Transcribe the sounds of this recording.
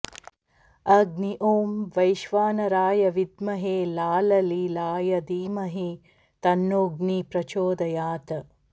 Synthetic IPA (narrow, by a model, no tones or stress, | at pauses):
ɐɡniʔoːmʋɐjʃʋaːnɐɾaːjɐʋid̪mɐɦeːlaːlɐliːlaːjɐd̪iːmɐɦi | t̪ɐnːoːɡnipɾɐt͡ʃoːd̪ɐjaːt̪ɐ